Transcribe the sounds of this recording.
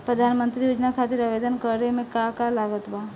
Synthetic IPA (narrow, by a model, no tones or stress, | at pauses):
pɾəd̪ʱaːnmə̃nt̪ɾijoːd͡ʒnakʰat̪ɪɾaʋed̪ənkəɾemẽkakalaːɡət̪ba